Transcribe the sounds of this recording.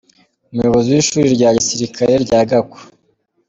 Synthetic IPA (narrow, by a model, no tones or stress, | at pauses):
umujo̞βo̞ziwiːʃuːɾiɾɟaːɟisiɾikʰaɾeɾɟaːɡako̥